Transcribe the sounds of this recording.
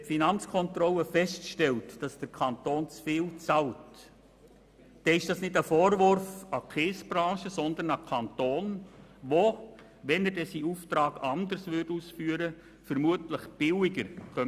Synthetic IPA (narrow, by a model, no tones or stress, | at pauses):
ɛtfinɑnt͡skʰɔntrɔləfɛstkʃtɛltd̥ɑsd̥əɾkʰɑnt̪oːnt͡sfiːlt͡sɑlt | d̥ɛɪʃd̥ɑsnɪdəfɔːɾvʊɾfɑkʰeːsb̥rɑ̃ːʃəsɔnd̪əɾnɑkʰɑntoːnʋo | ʋɛnədɛsiuːftɾɑːɡɑnd̪əɾsʋʏrduːsfyːəɾə | fəɾmuətləχb̥ɪlɪɡəɾkœ